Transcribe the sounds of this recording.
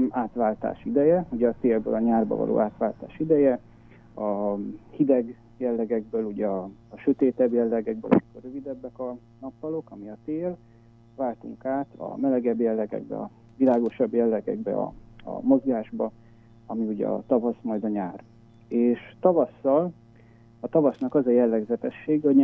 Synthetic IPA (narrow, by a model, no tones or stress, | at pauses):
aːt̪ʋaːlt̪a̰ːʃid̪ɛjɛuɟɛɒt̪eːlbø̰ːlɒɲaːrbɒ̰vɒ̰lo̰ːʔaːt̪ʋaːlt̪a̰ːʃid̪ɛjɛ | ɒhid̪ɛɡ | jɛlːɛɡɛɡbøːluɟɛɒːʃøt̪eːt̪ɛbjɛlːɛɡɛɡ̚bø̰lʔɒ̰mikorøvid̪ɛbːɛkɒ | nɒpfɒlo̞kɒmiɒt̪eːl | vaːlt̪ṵŋkaːt̪ɒ̰mɛlɛɡɛbjɛlːɛɡɛ̰ɡ̚bɛ̰ɒ̰ | vilaːɡo̞ʃɒbjɛlːɛɡɛ̰ɡbɛ̰ɒ̰ɒ̰mo̞zɡaːʒbɒ | ɒmiuɟɛ̰ɒ̰t̪ɒvɒsmɒjd̪ɒɲaːr | eːʃt̪ɒvɒsːɒl | ɒt̪ɒvɒsnɒkɒzɒjɛlːɛɡzɛt̪ɛʃːeːɡoɲ